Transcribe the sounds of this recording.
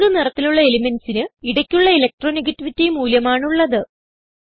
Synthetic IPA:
ɽɨnirɐt̪ːiluɭːɐelimensinɨiɽɐkʲːuɭːɐelɐk̚ʈro̞ːniɣɐtːiʋitːejumuːljɐmaːɳuɭːɐðɨ

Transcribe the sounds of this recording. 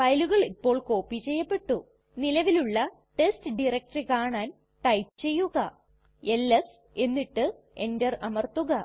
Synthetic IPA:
fɐjluɣɐɭipːo̞ːɭko̞ːpːit͡ɕejːɐpːe̞ʈːu | nilɐʋiluɭːɐ | ʈe̞stɨɖirɐk̚ʈɐrikaːɳaːn | ʈɐjpt͡ɕe̞jːuɣɐ | elːɐs | e̞nːiʈːɨ | e̞ndɐrɐmɐrt̪uɣɐ

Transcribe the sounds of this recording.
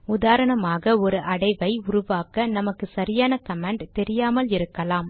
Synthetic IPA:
ʊðaːɾɐɳɐmaːɣɐɔɾɯʔɐɽɐɪʋɐɪʊɾʊʋaːkɐnɐmɐkːɯsɐɾɪjaːnɐkɐmeːɳɖt̪ɛɾɪjaːmɐlɪɾɯkːɐlaːm

